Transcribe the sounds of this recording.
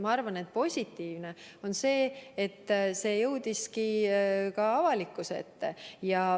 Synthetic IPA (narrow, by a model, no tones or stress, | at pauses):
mɑɑrvɑne̞t̪̚po̞sʲit̪ːˑiːvne̞ | o̞nse̞ːet̪ːse̞ːjɤwd̪̥iskikɑɑvɑlikːˑuseḛt̪ːejɑ